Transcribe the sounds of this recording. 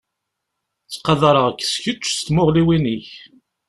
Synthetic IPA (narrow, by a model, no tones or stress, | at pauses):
t͡sːqɑðɾˤəʁəkːsçət͡ʃːst̪moʁliwiniç